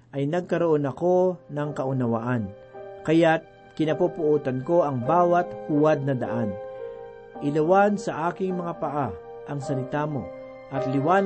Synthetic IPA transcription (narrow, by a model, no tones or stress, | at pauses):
ʔɐjnɐɡ̚kɐɾoʔonɐko̞nɐŋkɐʔʊnɐwa̰ʔan | kɐjat̪̚ | kɪnɐpupʊʔuːt̪ɐnko̞ʔɐŋbaːwɐt̪̚huwad̪̚nɐd̪ɐ̰ʔan | ʔɪlɐwansɐʔaːkɪŋmɐŋapɐʔa | ʔɐŋsɐlɪt̪amo̞̰ | ʔɐt̪lɪwaːn